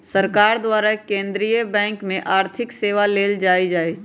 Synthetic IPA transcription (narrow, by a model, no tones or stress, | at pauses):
səɾkaːɾd̪ʋaɾakẽnd̪ɾijəbɛ̃ːŋkmẽʔaːɾt̪ʰɪkseʋaleld͡ʒajd͡ʒaːjt͡ʃʰ